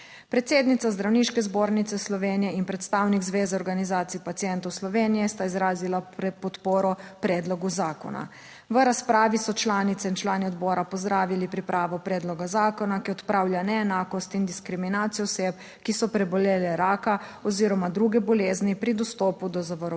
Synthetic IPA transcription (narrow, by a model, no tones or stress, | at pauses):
pɾɛt̪seːd̪nit̪sazd̪ɾawniʃkɛzboːɾnit̪ɛslɔʋeːnijɛinpɾɛt̪st̪awniɡzʋeːzaɔɾɡanizaːt̪sipat̪sijɛnt̪ɔwslɔʋeːnijɛst̪aizɾaːzilapɾɛpɔt̪poːɾɔpɾɛːd̪lɔɡuzaːkɔ̰na̰ | ʋəɾaspɾaːʋisɔt͡ʃlaːnit̪sɛint͡ʃlaːniɔd̪bɔːɾapɔzd̪ɾaːʋilipɾipɾaːʋɔpɾɛːd̪lɔɡazaːkɔnakiɔt̪pɾawljanɛːnaːkɔst̪ind̪iskɾiminaːt̪sijɔɔseːp | kisɔpɾɛbɔleːlɛɾaːka | ɔziːɾɔmad̪ɾuːɡɛbɔleːznipɾid̪ɔst̪ɔːpud̪ɔzaʋɔɾɔ